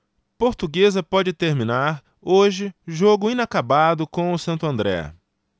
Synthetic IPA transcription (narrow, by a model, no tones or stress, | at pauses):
poɾt̪uɡezɐpɔd͡ʒɪt̪eɾmĩnaɾ | oʒɪʒoɡʊĩnakabad̪ʊkõw̃ʊsɐ̃nt̪ʊɐ̃nd̪ɾɛ̰